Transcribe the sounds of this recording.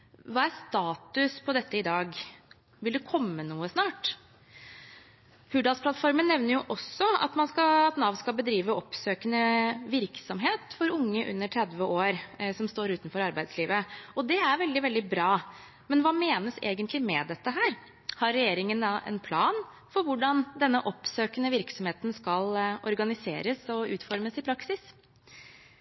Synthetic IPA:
ʋɑːæɾst̪ɑːt̪ʉspʰɔd̪ɛt̪ːəɪd̪ɑːɡ | ʋɪld̪ɛkʰɔmːənuːəsnɑːʈ | hʰʉɖɑspʰlɑt̪fɔɾmənːɛʋnəɾjʊʔɔsːɔɑ̰t̪mɑnskɑɑt̪nɑʋnskɑlbəd̪ɾiːʋəʔɔpsøːkənəʋɪɾksɔmɦeːt̪fɔɾʊŋːəʔʉ̰nːəʈʰɾɛd̪ʋəoːɾsɔmst̪oːɾʉːt̪nfɔɾɑɾbæɪd̪sliːʋəɔd̪ɛæɾʋɛld̪ɪʋɛld̪ɪbɾɑː | mɛnʋɑːmeːnəsḛːɡənt̪ʰlɪmɛd̪ɛt̪ːəɦæːɾ | hɑɾːɛjeːɾɪŋənʔɛ̰npʰlɑːn | fɔɾʋʊɖɑnd̪ɛnːəʔɔpsøːkənəʋɪɾksɔmheːt̪nskɑlɔ̰ɾɡɑnɪsḛːɾəsɔʉ̰ːt̪fɔɾməsɪpʰɾɑksɪs

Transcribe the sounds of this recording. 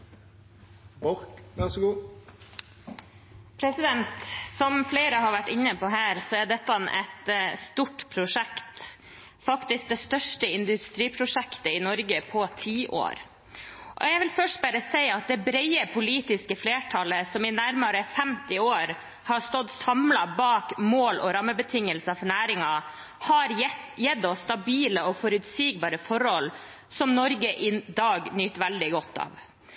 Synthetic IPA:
bɔɾkʋæsɔɡuː | pʰɾɛsɪd̪ɛnt̪sɔmfleːɾəɦɑɾʋæʈːɪnːəpɔɦæːɾsɔæɖɛt̪ːɑnʔɛ̰t̪st̪uʈpʰɾʊʂɛkt̪ | fɑkt̪ɪsk̚d̪ɛst̪œʂʈəɪnd̪ʉst̪ɾiːpʰɾʊʂɛkt̪əɪnɔɾɡəpʰɔt̪ʰiːʔo̰ːɾ | ʔɔ̰jæʋɪlfœʂʈbæːɾəsɛɪɑt̪̚d̪ɛbɾɛɪəpʰʊliːt̪ɪskəfleːʈʰɑləsɔmɪnæɾmɑɾəfɛmt̪ɪoːɾ | hɑst̪ɔd̪sɑmlɑbɑːkmoːlɔ̰ɾɑmːəbət̪ʰɪŋːəlsəfɔɳæːɾɪŋɑ | hɑɾjɛd̪ːɔst̪ɑbiːləɔfɔɾʉt̪siːɡ̚bɑːɾəfɔɾhɔl | sɔmnɔɾɡəʔɪd̪ɑːɡnyːt̪ʋæld̪ɪɡɔt̪ːɑ̰ːʋ

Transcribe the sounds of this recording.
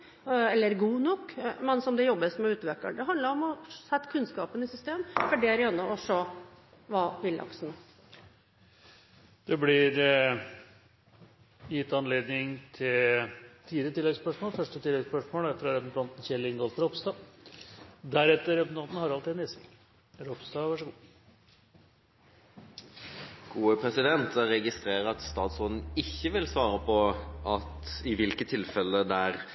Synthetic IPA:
ɛlːəɾɡuːnɔkːmɛnsɔmd̪ɛjɔbːəsmɛʉːt̪ʋɛkːə̰ɳɖ̪ɛɦɑnd̪əɾɔmɔsɛt̪ːkʰʉnskɑːpənɪsʏst̪eːmfɔɖɛæɾɛnːɔʔɔʂøː | ʋɑːʋɪld̪ɑ̰ksn | d̪̥ɛblɪɾ | jɪt̪ːɑnleːd̪nɪŋt̪ʰɪlt̪ʰiːd̪ət̪ɪlːɛɡspœʂmoːlfœʂʈət̪ʰɪlɛɡspœʂmoːlɛɾfɾɑɾɛpnt̪ʰɑnt̪n̩çɛlːɪŋɡɔlt̪ɾɔpsd̪ɑ | d̪æɾɛt̪ːəɾɛpnt̪ʰɑnt̪n̩hɑɾɑlt̪iːd̪nɪsɪ | ɾɔpst̪ɑʋɑʂəɡuː | ɡ̥uːəpʰɾɛsɪd̪ɛnt̪əɾɛɡɪst̪ɾeːɾəɾɑt̪st̪ɑːt̪sɔn̩ɪçːəʋɪlsʋɑːɾəpʰɔʔɑt̪ɪʋɪlkət̪ʰɪlfɛlːəd̪ææɾ

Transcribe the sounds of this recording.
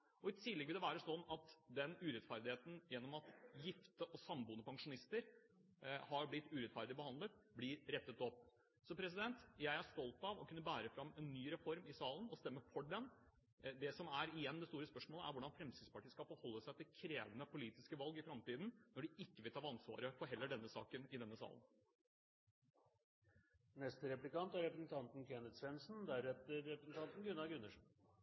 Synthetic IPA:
ʔɔɪt̪ʰɪlɛɡʋɪlɛʋæːɾəsɔnːɑt̪d̪ɛnʉːɾɛt̪fæɾd̪ɪheːt̪n̩jɛnːɔmɑt̪jɪft̪əʔɔsɑmbuːnəpʰɑŋʂʊnɪst̪əɾ | hɑɾblɪt̪ːʉɾɛt̪fæɾd̪ɪbəhɑnd̪lət̪blɪɾɾɛt̪ːət̪ɔpː | sɔpʰɾɛs̬ɪd̪ɛnt̪jæɪæʂt̪ɔlt̪ɑʋɔkʰʉnːəbæːɾəfɾɑmːɛnːyːɾɛfɔɾmɪsɑːlənɔst̪ɛmːəfɔɖɛn | d̪ɛsɔmæɾɪjɛnːd̪ɛst̪uːɾəspœʂmoːləæ̰ɾʋʊɖɑnfɾɛmsiːd̪spɑʈiːskɑpfɔhɔlːəsæɪɑt̪ʰɪlkʰɾeːʋənəpʰʊliːt̪ɪskəʋɑlɡɪfɾɑmt̪iːd̪nnɔɖɪɪkːəʋɪlt̪ʰɑːɑnsʋɑ̰ːɾəfɔɾɦɛlːəɖɛnːəsɑ̰ːkənɪd̪ɛnːəsɑ̰ːlən | nɛst̪ɾɛplɪkɑnt̪æɾɛpɾɛsnt̪ʰɑnt̪n̩kʰɛnət̪sʋɛnsn̩d̪æɾɛt̪əɾːɛpɾɛsn̩t̪ʰɑnt̪n̩ɡʉnːɑɡʉnːəʂ

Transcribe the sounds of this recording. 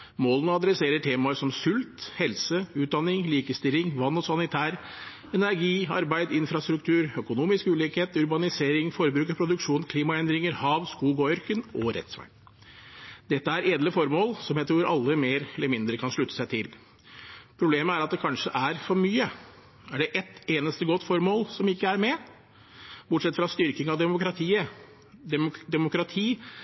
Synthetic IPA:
moːlənəɑd̪ɾɛseːɾəʈʰeːmɑʂɔmsʉlt̪hɛlsəʉːt̪̚d̪ɑnːɪŋliːkəst̪ɪlːɪŋʋɑnːɔsɑnɪt̪ʰæːɾ | ɛnæɾɡiːɑ̰ɾbæɪd̪ɪnfɾɑst̪ɾʉk̚t̪ʰʉːɾœkʊnuːmɪskʉːliːkheːt̪ʉɾbɑnɪseːɾɪŋfɔɾbɾʉːkəɾpʰɾʊd̪ʉkʂuːnkʰliːmɑɛnd̪ɾɪŋəɾhɑːʋskuːɡɔœɾkənɔɾɛ̰t̪sʋæ̰n | d̪ɛt̪ːəæɾeːd̪ləfɔɾmoːlsɔmjæɪt̪ʰɾuːɾɑ̰lːəmeːɾɛlːəɾmɪnd̪ɾəkʰɑnʂɭʉt̪ːə̥sæɪt̪ʰɪl | pʰɾʊbleːməæɾɑt̪̚d̪ɛkʰɑnʂəʔæɾfɔɾmyːə | æɖɛʔɛt̪eːnəst̪əɡɔt̪ːfɔɾmoːlsɔmɪkːəæɾmɛ | bʊʈʂsɛt̪ːfɾɑst̪ʏɾkɪŋɑʋd̪ɛmʊkɾɑt̪ʰiːə | d̪ɛd̪ɛmʊkɾɑt̪ʰiː

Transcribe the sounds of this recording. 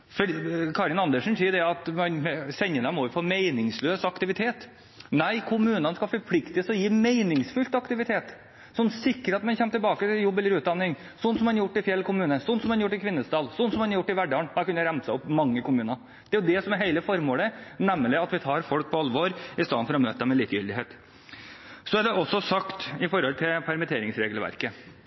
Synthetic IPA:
fɔɖkʰɑːɾɪnɑnd̪əʂn̩siːɖɛɑt̪mɑnsɛɲːənəmɔʋɪpʰɔmeɪnɪŋsløːsɑkt̪ɪʋɪt̪ʰeːt̪ | næɪkʰʊmʉːnənskɑfɔɾpʰlɪkt̪əsɔjiːmeɪnɪŋsfʉlt̪ɑkt̪ɪʋɪt̪ʰeːt̪ | sɔnːsɪkːəɾɑt̪mɑnçɛmːt̪ɪlbɑːkət̪ɪljɔbːɛləɾʉːt̪d̪ɑnːɪŋ | sɔnːsɔmɛnjʊʈːɪfjɛlkʰʊmʉːnəsɔnːsɔmɛnjʊʈːɪkʰʋɪnːəsd̪ɑːlsɔnːsɔmɛnjʊʈːɪʋæɖɑɳækɑnːəɾæmsəɔpːmɑŋːəkʊmʉːnɑɾ | d̪̥ɛæɾjʊd̪ɛsɔmɛɾheɪləfɔɾmoːlənɛmːəlɪɑt̪ʋɪt̪ʰɑːɾfɔlk̚pʰɔɑlːʋoːɾɪst̪ɑːnfɔɾɔmøːt̪əd̪ɛmːɛliːkjʏld̪ɪɦeːt̪ | sɔæɖɛʔɔsːɔsɑkt̪ɪfɔɾhɔlt̪ʰɪlpʰæɾmət̪ʰeːɾɪŋsɾeːɡəlʋæ̰ɾkə

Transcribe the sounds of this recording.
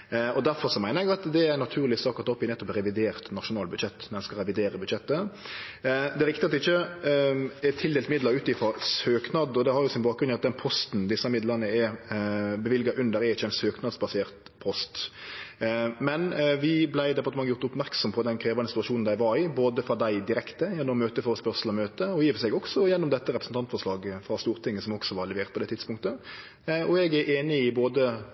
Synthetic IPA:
ɔd̪æɾfɔɾʂɔmæɪnəɾɛɡɑt̪d̪ɛɾɛnːɑt̪ʰʉːɾlɪsɑkːɾt̪ɔpːɪnɛt̪ːɔpɾɛʋɪd̪eːɾt̪nɑʂʊnɑːlbʉd̪ʃɛt̪ːmɛnskɑlɾɛʋɪd̪eːɾəbʉd̪ʃɛt̪ːə | d̪ɛɾɪkt̪ɪɑt̪ːɪçːə | ɛt̪ʰɪld̪eːlt̪mɪd̪ləɾʉːt̪ɪfɔsøːknɑd̪ɔd̪ɛhɑɾjʊsɪnbɑːkɡɾʉnɪɑt̪̚d̪ɛnpʰɔst̪n̩d̪ɪsːəmɪd̪lənəɛ | bɛʋɪlɡɑʔʉnd̪əɾɛɾɪçːəɛɪnsøːknɑd̪sbɑseːʁt̪ | pʰɔst̪ | mɛnʋɪblæɪd̪ɛpɑt̪əmɑŋːəjʊɾt̪ʊpmæʁksɔmpʰɔɑt̪d̪ɛnkʰɾeːʋɑnəsɪt̪ːɑʃuːnn̩d̪æɪʋɑɾɪboːd̪əfʁɑd̪æɪd̪ɪɾɛkt̪əjɛnːɔmːøːt̪əfɔɾspœʁsl̩ɔmøːt̪əɔjiːʋsɛɡɔksɔjɛnːɔmd̪ɛt̪ːəɾɛpɾəsn̩t̪ɑnt̪fɔʂlɑːɡfʁɑst̪uːɾt̪ʰɪŋːəsɔmɔksɔʋɑɾlɛʋeːʁt̪̚pɔd̪ɛt̪ʰɪt̪spʊŋk̚t̪ə | ɔɛɡæɾeːnɪɪboːd̪ə

